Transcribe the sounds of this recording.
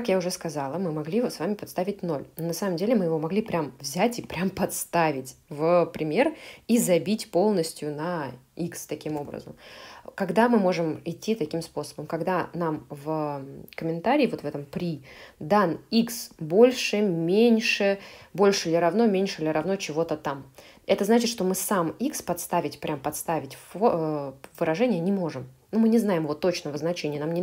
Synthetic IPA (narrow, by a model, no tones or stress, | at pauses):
kɐkjaʊʐɛskɐzalˠəmɨmɐɡlʲivosvamʲɪpɐt̪st̪avʲɪt̚ʲno̞lʲnonɐsaməmdʲelʲɪmɨjɪvo̞mɐɡlʲipɾʲamvzʲætʲipɾʲʔampɐt̪st̪avʲɪtʲvəpɾʲɪmʲerizɐbʲitʲpo̞lˠnəsʲtʲjʊnɐ | ikst̪ɐkʲimo̞bɾə̰zə̰mkɐɡd̪amɨmo̞ʐɨmɪtʲːit̪ɐkʲimspo̞səbəmkɐɡd̪anamvəkəmʲɪnt̪aɾʲɪːvo̞t̪vɛt̪əmpɾʲid̪aniksbo̞lʲʂɨmʲenʲʂɨbo̞lʲʂɨlʲɪɾɐvnomʲenʲʂɨlʲɪɾɐvno̞t͡ɕɪvo̞t̪ət̪am | ɛt̪əznat͡ɕɪt̪ʂt̪o̞mɨsamikspɐt̪st̪avʲɪtʲpɾʲʔampɐt̪st̪avʲɪtʲfovɨɾɐʐɛnʲɪjənʲɪmo̞ʐɨmnumɨnʲɪznajɪmɨvo̞t̪o̞t͡ɕnəvəznɐt͡ɕenʲɪjnamnʲɪ